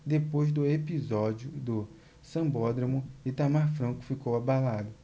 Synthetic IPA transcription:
d̪epojzd̪ʊepizɔd͡ʒʊd̪ʊ | sɐ̃bɔd̪ɾɐmʊɪt̪amaɾfɾɐ̃kʊ̥fikowabalad̪ʊ

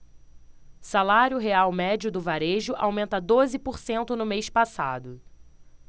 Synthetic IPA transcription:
salaɾjʊɦeawmɛd͡ʒʊd̪ʊvaɾeʒʊʔawmẽnt̪ɐd̪ozɪpoɾsẽnt̪ʊnʊmejspasa̰d̪ʊ

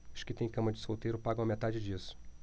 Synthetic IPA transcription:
ʊʃkɪt̪ẽj̃kɐ̃mɐd͡ʒɪsowt̪ejɾʊpaɡɐ̃w̃ɐmet̪ad͡ʒɪd͡ʒisʊ̥

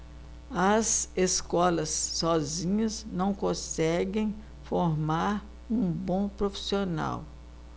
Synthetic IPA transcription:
ɐzeskɔlɐsːɔzĩɲɐznɐ̃w̃kõsɛɡẽj̃ | foɾmaɾ | ũbõpɾofi̥siona̰w

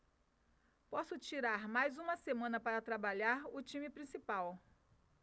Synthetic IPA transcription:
pɔsʊt͡ʃiɾaɾmajzũmɐsemɐ̃nɐpaɾɐt̪ɾabaʎaɾʊt͡ʃĩmɪpɾĩsipaw

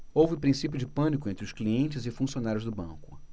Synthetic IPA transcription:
owvɪʊpɾĩsip̬jʊd͡ʒɪpɐ̃nik̬ʊẽnt̪ɾʊskliẽnt͡ʃɪzɪfũsionaɾjʊzd̪ʊbɐ̰̃kʊ̥̰

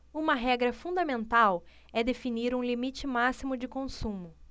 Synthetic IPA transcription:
ũmɐɦɛɡɾɐfũd̪ɐmẽnt̪aw | ɛd̪efiniɾũlimit͡ʃɪmasimʊd͡ʒɪkõsũmʊ

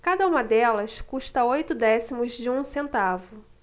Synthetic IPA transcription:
kad̪ɐũmɐd̪ɛlɐskuʃt̪ɐojt̪ʊd̪ɛsimʊzd͡ʒɪũsẽnt̪avʊ

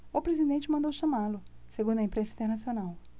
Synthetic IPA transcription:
ʊpɾezid̪ẽnt͡ʃɪmɐ̃nd̪owʃɐmalʊ | seɡũnd̪ʊɐĩpɾẽsɐĩt̪eɾnasionaw

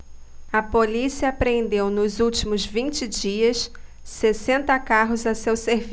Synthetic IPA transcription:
ɐpolisiɐːpɾẽnd̪ewnʊzuwt͡ʃimʊzvĩnt͡ʃɪd͡ʒiɐssesẽnt̪ɐkaɦʊzɐsewseɾv

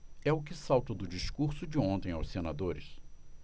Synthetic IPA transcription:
ɛʊk̬ɪsawt̪ɐd̪ʊd͡ʒiskuɾsʊd͡ʒɪõnt̪ẽj̃awssenad̪oɾɪs

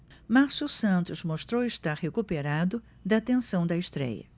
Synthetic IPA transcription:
maɾsʊsɐ̃nt̪ʊzmoʃt̪ɾowɪʃt̪aɾhekupeɾad̪ʊ | d̪ɐt̪ẽsɐ̃w̃d̪ɐeʃt̪ɾɛ̰jɐ̰

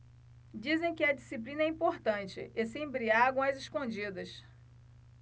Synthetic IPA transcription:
d͡ʒizẽj̃kɪɐd͡ʒisip̬lĩnɐɛĩpoɾt̪ɐ̃nt͡ʃɪ̰ʔesẽj̃bɾiaɡõw̃ɐzɪʃkõd͡ʒid̪ɐs

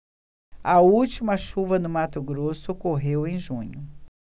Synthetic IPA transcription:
ɐuwt͡ʃimɐʃuvɐnʊmat̪ʊɡɾosʊkoɦewẽj̃ʒũɲʊ

